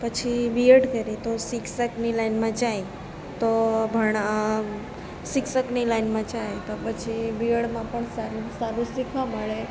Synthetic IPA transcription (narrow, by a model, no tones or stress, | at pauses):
pət͡ʃʰibiəɽkəɾet̪osikʰsəknilaɪnmãt͡ʃae | t̪obʱəɳ̃a | sɪkʰsəknilaɪnmãt͡ʃaɦet̪opət͡ʃʰibiəɽmãpəɳsaɾisaɾũsikʰaməɭe